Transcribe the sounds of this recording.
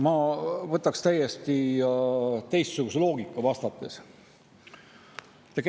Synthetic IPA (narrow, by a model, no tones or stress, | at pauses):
mɑvɤt̪ːˑɑkst̪æjːest̪i | t̪e̞jst̪suɡ̥uselo̞ːɡikːˑɑvɑst̪ɑt̪ːˑe̞s | t̪ek